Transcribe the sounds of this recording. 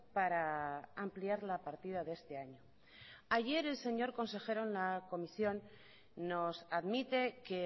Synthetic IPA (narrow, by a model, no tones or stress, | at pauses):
paɾaampliaɾlapaɾt̪iðaðest̪e̞aɲo | aʝe̞ɾe̞lse̞ɲo̞ɾko̞nse̞xe̞ɾonlako̞misjo̞nː | o̞saðmit̪e̞ke